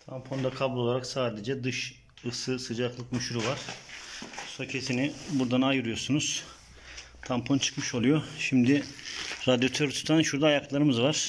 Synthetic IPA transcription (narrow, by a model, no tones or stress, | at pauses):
t̪ʰampʰo̞nd̪akʰabulʲˠo̞lˠaɾaksaːd̪ed͡ʒɛd̪ɯʃ | ɯsɯsɯd͡ʒaklˠɯkmyʃuɾuvaɾ̥ | socʰesinibuɾd̪anajɯɾɯjo̞ɾsunuz̥ | t̪ʰampʰo̞nt͡ʃʰɯ̥kmɯʃo̞lˠujo̞ʃimd̪iɾad̪jo̞t̪ʰøɾt̪ʰu̥t̪ʰanʃuɾd̪aːjaklˠaɾɯmɯzvaɾ̥